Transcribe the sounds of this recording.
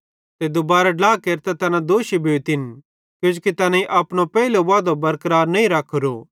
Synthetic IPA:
t̪ed̪ʊbaːɾaɖlaːkeːɾt̪ɛt̪ɐnãd̪oːʃibʱeːt̪ɪn | kjʊd͡ʒkit̪ɐnãiʔɐːpñopɛːileʋaːd̪obɐɾkəɾaːɾnɐĩɾɐkʰɾo̰ː

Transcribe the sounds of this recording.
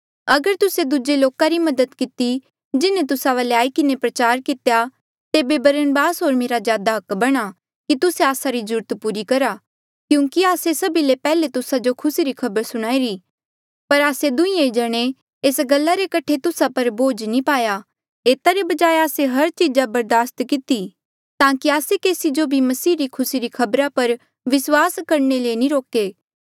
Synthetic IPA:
ɐɡəɾt̪ʊsed̪ʊd͡ʒeloːkaɾimɐd̪əd̪kɪt̪i | d͡ʒɪnẽt̪ʊsaʋaːleaːikɪnepɾɐt͡ʃaːɾkɪt̪eja | t̪eːbebɐɾənbaːsɦoːɾmeːɾazjaːd̪aɦɐkbɐɽ̃a | kit̪ʊseaːsaɾid͡ʒʊɾt̪puːɾikɐɾa | kjũːŋkiaːsesɐbilepɛːlet̪ʊsad͡ʒokʰʊsiɾikʰɐbəɾsʊɽ̃aːiɾi | pɐɾaːsed̪ʊĩẽd͡ʒɐɽ̃e | eːsɡɐlːaɾekɐʈʰet̪ʊsapɐɾboːd͡ʒnĩpaːja | eːt̪aɾebɐd͡ʒaːeaːseɦɐɾt͡ʃiːd͡ʒabɐɾd̪aːst̪kɪt̪i | t̪ãːkiaːsekeːsid͡ʒobʱimɐsiːɾikʰʊsiɾikʰɐbɾapɐɾ | ʋɪswaːskɐɾɳelenĩɾoːkeː

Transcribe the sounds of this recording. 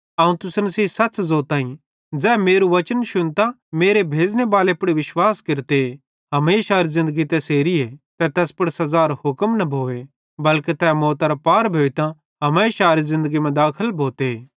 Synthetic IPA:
ɐũt̪ʊsnɐsiːsɐtːt͡szoːt̪aːĩ | d͡zɛːmeːɾuʋɐt͡ʃənʃʊnt̪ã | meːɾebʱeːd͡ʒnebaːlepʊɽiʋɪʃwaːskeɾt̪e | ɦɐmeːʃaːɾizɪ̃nd̪əɡit̪ɛseːɾiet̪ɛt̪ɛːspɐɽsɐzaːɾɦʊkmnɐbʱoːʋe | bɐlket̪ɛːmɔːt̪aɾapaːɾbʱoːit̪ã | ɦɐmeːʃaːɾizɪ̃nd̪əɡimɛ̃d̪aːkʰəlbʱoːt̪eː

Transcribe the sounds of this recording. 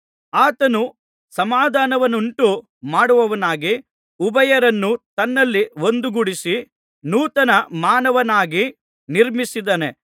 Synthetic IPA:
aːt̪ɐnu | sɐmaːd̪ʱaːnɐʋɐnuɳʈu | maːɽuʋɐʋɐnaːɡi | ubɐjɐɾɐnːut̪ɐnːɐlːiʋond̪uɡuɽisi | nuːt̪ɐnɐmaːnɐʋɐnaːɡi | niɾmisid̪ɐne

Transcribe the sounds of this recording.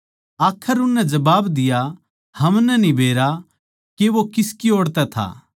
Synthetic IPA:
aːkʰəɾʊnːɛd͡ʒɐbaːbd̪ɪja | hɐmnɛnibʱeːɾa | keʋokɪskioːɽt̪ɛt̪ʰa̰ː

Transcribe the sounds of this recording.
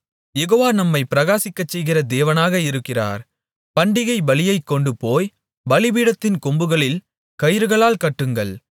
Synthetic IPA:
jɛɣoːʋaːnɐmːɐɪpɪɾɐɣaːsɪkːɐt͡ʃːɛjɣɪrɐd̪eːʋɐnaːɣɐɪɾɯkːɪra̰ːɾ | pɐɳɖɪɣɐɪbɐlɪjɐɪkːɔɳɖɯpoːj | bɐlɪʋiːɽɐt̪ːɪnkɔmbɯɣɐɭɪl | kɐjɾɯɣɐɭaːlkɐʈːɯŋɡɐɭ

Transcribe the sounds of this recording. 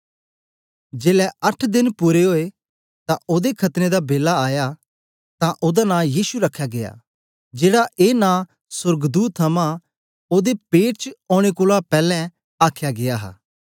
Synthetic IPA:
d͡ʒeːlɛɐʈʰd̪ɪnpuːɾeɦoːe | t̪ãoːd̪ekʰɐt̪ned̪abeːlaaːja | t̪ãʔoːd̪anãːjiːsuɾɐkʰːjaɡea̰ː | d͡ʒeːɽaʔeːnãː | sʊɾɡd̪uːt̪ʰːɐmã | oːd̪epeːʈ̚t͡ʃoːɽ̃ekʊːlapɛːlɛ̃ | aːkʰjaɡɪjaɦa̰ː

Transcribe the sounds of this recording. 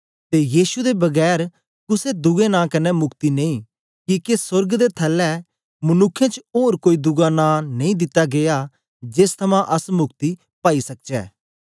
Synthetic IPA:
t̪ejiːsud̪ebɐɡɛːɾ | kʊsed̪ʊɡẽnãːkɐnɛmʊkt̪inẽĩ | kikesʊɾɡd̪et̪ʰɐlːɛ | mɐnʊkʰːjãt͡ʃoːɾkoːid̪ʊɡanãnɐ̃ĩd̪ɪt̪ːaɡeja | d͡ʒeːst̪ʰɐmãʔɐsmʊkt̪i | paːisɐk̚d͡ʒɛ̰ː

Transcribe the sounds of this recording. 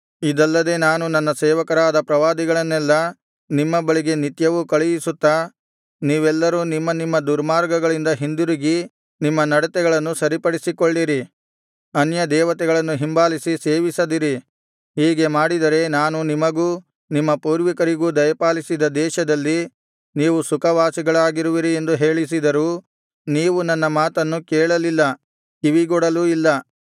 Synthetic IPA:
id̪ɐlːɐd̪e̞naːnunɐnːɐsɛːʋɐkɐɾaːd̪ɐpɾɐʋaːd̪iɡɐɭɐnːɛlːɐ | nimːɐbɐɭiɡe̞nit̪jɐʋukɐɭɛjisut̪ːa | niːʋɛlːɐɾuːnimːɐnimːɐd̪uɾmaːɾɡɐɡɐɭind̪ɐɦind̪uɾiɡi | nimːɐnɐɽɐt̪ɛɡɐɭɐnːusɐɾipɐɽisikoɭːiɾi | ɐnjɐd̪ɛːʋɐt̪ɛɡɐɭɐnːuɦimbaːlisise̞ːʋisɐd̪iɾi | hiːɡe̞maːɽid̪ɐɾe̞naːnunimɐɡuː | nimːɐpuːɾʋikɐɾiɡuːd̪ɐjɐpaːlisid̪ɐd̪ɛːʃɐd̪ɐlːi | niːʋusukɐʋaːsiɡɐɭaːɡiɾuʋiɾie̞nd̪uɦe̞ːɭis̬id̪ɐɾuː | niːʋunɐnːɐmaːt̪ɐnːukɛːɭɐlilːɐ | iʋiɡɔɽɐluilːɐ

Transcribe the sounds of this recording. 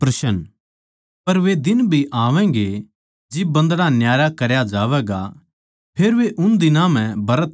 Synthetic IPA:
pɾɐʃən | pɐɾʋed̪ɪnbʱiʔaːʋɛ̃ːɡe | d͡ʒɪbɐ̃nd̪ɽanjaːjakɐɾjad͡ʒaːʋɛːɡa | pʰeːɾʋeʔʊnd̪ɪnãm̤ɛ̃bɐɾət̪

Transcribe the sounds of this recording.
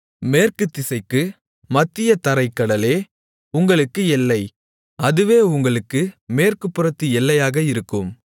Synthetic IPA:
meːrkɯt̪ːɪsɐɪkːɯ | mɐt̪ːɪjɐt̪ɐɾɐɪkːɐɽɐleː | ʊŋɡɐɭɯkːɯɛlːɐɪ | ɐðɯʋeːʊŋɡɐɭɯkːɯmeːrkɯpːɯɾɐt̪ːɯɛlːɐjaːɣɐɪɾɯkːɯm

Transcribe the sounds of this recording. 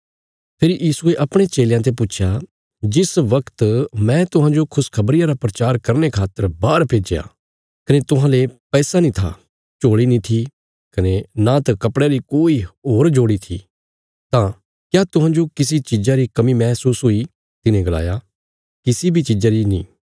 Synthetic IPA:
pʰɪɾijiːsueʔɐpɽ̃et͡ʃeːljãt̪̬epʊtːt͡ʃʰja | d͡ʒɪsʋɐkt̪mɛ̃t̪ʊɦãːd͡ʒokʰʊskʰɐbɾijãɾapɾɐt͡ʃaːɾkɐɾnekʰaːt̪ːəɾbaːɾpʰeːd͡ʒeja̰ː | kɐnet̪ʊɦãːlepɛːsanĩt̪ʰa̰ | t͡ʃoːɽinĩt̪ʰi | kɐnenãt̪akɐpɽeɾikoːiɦoːɾd͡ʒoːɽit̪ʰḭ | t̪ã | kjat̪ʊɦãːd͡ʒokɪsit͡ʃɪd͡ʒaɾikɐmimɛːsuːsɦui | t̪ɪnẽɡɐla̰ːja | kɪsibʱit͡ʃɪd͡ʒaɾinḭ̃ː

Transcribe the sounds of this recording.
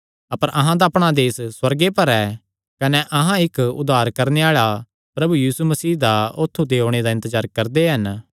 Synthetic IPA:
ɐpəɾʔɐɦãd̪aɐpɽ̃ad̪eːsswɐɾɡepɐɾɛː | kɐneʔɐɦãɪkʊ̰d̪ːaːɾkɐɾneaːɭa | pɾɐbujiːsumɐsiːd̪aoːt̪ʰːud̪eɦoːɽ̃ed̪aɪ̃nt̪əzaːɾkɐɾd̪eɦɐn

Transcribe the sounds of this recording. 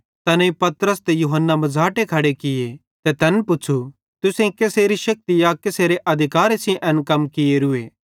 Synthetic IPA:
t̪ɐnĩpɐt̪ɾəst̪ejuɦənːamɐd͡zʱaːʈekʰɐɽekɪje | t̪et̪ɛːnpʊt͡ʃʰu | t̪ʊsẽikeseːɾiʃɐk̚t̪ɪjakeseːɾeʔɐd̪ʱɪkaːɾesĩʔɐnkɐmkɪeɾʊeː

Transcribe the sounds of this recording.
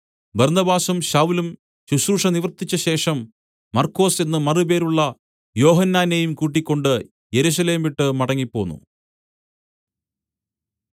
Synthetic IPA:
bɐrnɐbaːsumɕɐwlum | ɕuɕɾuːʂɐniʋɐrt̪ːit͡ɕːɐɕe̞ːʂɐmː | ɐrkːo̞ːse̞nːɨmɐrɨbe̞ːɾuɭːɐ | jo̞ːɦɐnːaːnejumkuːʈ̬ːikʲːo̞ɳɖɨ | je̞ɾuɕ̬ɐle̞ːmʋiʈːɨmɐɽɐŋːipːo̞̰ːnːṵ

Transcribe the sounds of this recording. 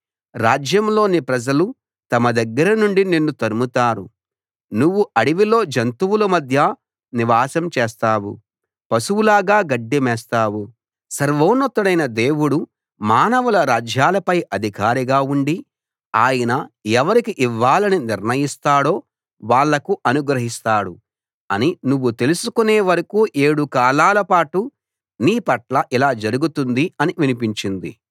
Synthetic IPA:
ɾaːd͡ʒjɐmlo̞ːnipɾɐd͡ʒɐlu | t̪ɐmɐd̪ɐɡːɐɾɐnuɳɖinenːut̪ɐɾumut̪aːɾu | nuʋːuɐɽiʋilo̞ːd͡ʒɐnt̪uwulɐmɐd̪ʱjɐ | niʋaːsɐmt͡ʃeːst̪aːwṵ | pɐsuwulaːɡaːɡɐɖːimɛːst̪aːwu | sɐɾʋoːnɐt̪ːɐɽɐjnɐd̪e̞ːwuɽu | maːnɐʋulɐɾaːd͡ʒjaːlɐpɐjʔɐd̪ʱikaːɾiɡaːuɳɖi | aːjɐnɐɛʋɐɾikiʔiʋːaːlɐniniɾnɐjist̪aːɽo̞ː | ʋaːɭːɐkuʔɐnuɡɾɐɦist̪aːɽṵ | ɐninuʋːut̪e̞lusukuneːʋɐɾɐkuːʔe̞ːɽukaːlaːlɐpaːʈu | niːpɐʈlɐʔilaːd͡ʒɐɾuɡut̪und̪iɐniʋinipiɲt͡ʃind̪ḭ

